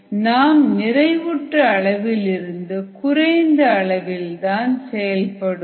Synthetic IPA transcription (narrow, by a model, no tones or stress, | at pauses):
naːmnɪɾɐɪʋʊʈrɐɐɭɐʋɪlɪɾɯnd̪ɯkʊɾɐɪnd̪ɐːɭɐʋɪlt̪aːnsɛjɐlpɐɽɯ